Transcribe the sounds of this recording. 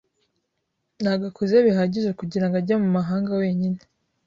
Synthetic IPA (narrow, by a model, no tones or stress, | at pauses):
naɡakʰuzeβiɦaɟiʒekuɟiɾaŋɡaɾɟamumaɦaːŋɡawe̞ːɲine